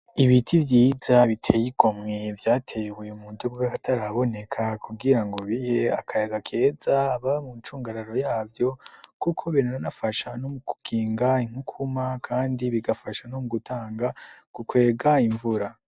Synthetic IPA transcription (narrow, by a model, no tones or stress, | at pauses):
iβitʰivjiːzaβitʰe̞jiɡ̥o̞mŋevjaːtʰe̞jewujumuːnduɡokakatʰaɾaβo̞ne̞kʰakʰuɡiɾaŋɡo̞βihe̞a̰kʰajeɡakʰe̞ːzaːβamut͡ʃuːŋɡaɾaɾo̞jaːvjo̞kukʰo̞βeneanafaʃanomuku̥kʰiːŋɡaiŋhukʰumakʰaːndiβiɡafaʃanomuɡutʰaːŋɡakukwe̞ːɡaiɱvuɾa